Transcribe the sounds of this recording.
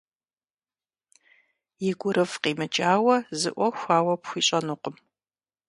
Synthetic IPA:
jɪɡʷʊɾʔɨfqiːmɨt͡ʃʼaːwɐzɨ̰ʔʷɔxʷaːwɐpxʷiːɕʼɐnuːqʷəm

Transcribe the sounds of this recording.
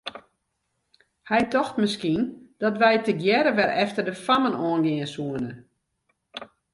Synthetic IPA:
hɛjtɔxtməskind̥ɔtʋɛjtəɡjɛɾəʋɛɾɛftərdəfamənɔːənɡɪənsuənə

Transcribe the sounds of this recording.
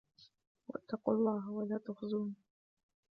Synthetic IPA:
wa̰t̪ːɑqulˤːɑːɦawalaːt̪axzuːni

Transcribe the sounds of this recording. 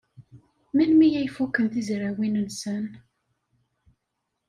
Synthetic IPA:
mænmijæjfukːənθizɾæwinənsən

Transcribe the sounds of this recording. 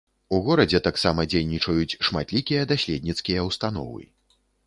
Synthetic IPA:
uɣɔɾɐd͡zʲɛt̪aksamɐd͡zʲejnʲit͡ʂɐjut͡sʲʂmat̪lʲikʲijɐd̪asʲlʲɛd̪ʲnʲit̪skʲijɐwst̪anɔ̰vɨ̰

